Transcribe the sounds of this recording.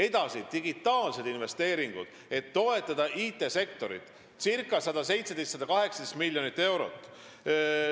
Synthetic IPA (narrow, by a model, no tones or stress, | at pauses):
e̞d̪ɑsid̪̥iɡit̪ːˑɑːlse̞d̪̥inve̞st̪e̞ːɾiŋɡ̥ṵd̪̥ | e̞t̪ːo̞e̞t̪ˑːɑd̪̥ɑʔiːt̪ːˑe̞se̞k̚t̪o̞ɾḭt̪ˑ | sirkːˑɑsɑd̪ɑse̞jt̪se̞d̪est̪sɑd̪̥ɑkɑɦe̞ksɑd̪̥est̪milʲːjo̞nit̪ːe̞wɾo̞̰t̪ːˑ